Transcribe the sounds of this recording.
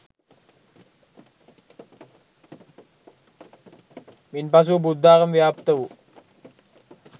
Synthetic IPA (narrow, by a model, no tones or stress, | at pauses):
minpas̬ubud̪ʱːaːkɐmʋjaːpt̪ɐʋu